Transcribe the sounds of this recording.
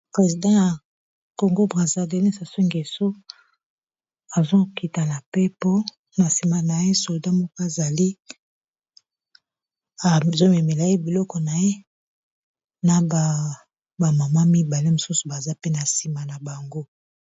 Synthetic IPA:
pʁe˨zi˨dã˦ja˨ | ko˨ŋɡo˦bʁa˨za˦de˨ni˦sa˨so˦ŋɡe˨so˦ | a˨zo˦ki˨ta˨na˨pe˦po˦ | na˨si˨ma˨na˨je˦so˨lda˦mo˦ko˦a˨za˨li˦ | a˨zo˦me˨me˨la˨e˦bi˨lɔ˦kɔ˨na˨je˦ | na˨ba˨ | ba˨ma˨ma˦mi˦ba˨le˦mo˨su˦su̥˨ba˨za˦pe˦na˨si˨ma˨na˨ba˨ŋɡo˦

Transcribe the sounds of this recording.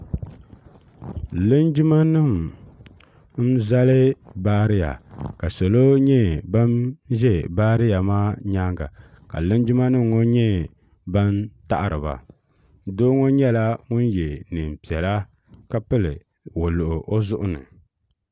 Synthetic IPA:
lɨ˦nd͡ʒɪ˦ma˦nɨ˦˨m | m̩˦za˦lɨ˦baː˦ɾɪ˦ja̰˨ka˨so˨lo˦ɲɛ˦ba˦nʒɛ˦baː˦ɾɪ˦ja˨maː˦ɲa˦ŋɡa̰˨ | ka̰˨lɨ˦nd͡ʒɪ˦ma˦nɨ˦mŋo˦ɲɛ˦ | ba˦nta̰˦ʔa˨ɾɨ˨ba̰˨ | doː˦ŋo˦ɲɛ˦la˦ŋʊ˦njɛ˨nɨ˨m˨pi˨ɛ˨la˦ | ka˦pɨ˦lɨ˨ | wo˨lʊ˨ʔʊ˨ʔo˦zʊ˦ʔʊ˦nɨ̰˨

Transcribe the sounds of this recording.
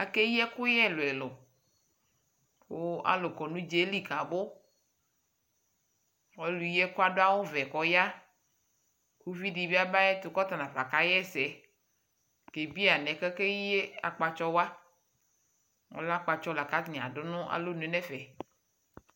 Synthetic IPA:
a˦ke˦ji˦ɛ˦kʊ˦jɛ˦lo˨ɛ˨lo˨ | wo˦a̰˦lo˨kɔ˨nũ˦d͡ʒe˦li˦ka˨bo˦ | wɔ˦lu˨ji˦ɛ˦ku˦a˦ɖo˦a˦wo˦vɛ˨kɔ˨ja˦ | ku˦vi˦ɖi˨bi˦a˦ba˦jɛ˦t̪o˨kɔ˦t̪a˨nã˨va˨ka˦jɛ˦˨sɛ˨ | ɡ̥e˨bi˦a˨nɛ̃˨kɛ˦ke˦i˦e˦a̰˨k͡pa˨t͡ʃɔ˦wa˦ | wo̰˦la˦k͡pa˨t͡ʃɔ˦la˨ka˦t̪nĩ˨a̰˨ɖo˦nʊ̃˦ʔa̰˨lo˦nẽ˨˦nɛ̃˦fɛ˨

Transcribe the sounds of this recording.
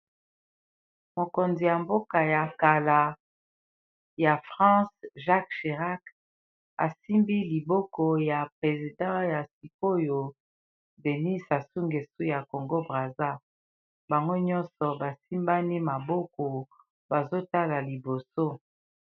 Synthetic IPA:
mo˨ko˨nzi˨ja˨mbo˦ka˨ja˨ka˨la˨ | ja˨fʁɑ̃˦sʒa˦kʃe˨ʁa˦k | a̰˨si˦mbi˦li˨bɔ˦ko˨ja˨pʁe˨zi˨dɑ̃˦ja˨si˨ko˦jo˨ | de˨ni˦sa˨su˦ŋɡe˨su˦ja˨ko˨ŋɡo˦bʁa˨za˦ | ba˨ŋɡo˦ɲɔ˦nsɔ˨ba˨si˦mba˦ni˦ma˨bɔ˦ko˨ | ba˨zo˦ta˦la˨li˨bo˨so˦

